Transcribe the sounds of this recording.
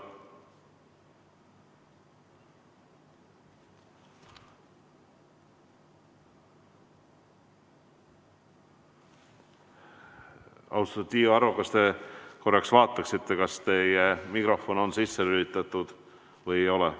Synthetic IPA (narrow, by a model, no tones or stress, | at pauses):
ɑ̰wst̪ɑt̪iːoɑɾukɑst̪e̞ko̞rːɑksvɑːt̪ːˑɑksit̪ːe̞kɑst̪e̞jemikro̞fo̞no̞nsisːeylit̪ːˑɑt̪ːˑud̪̥ | vɤjejo̞lɛ̰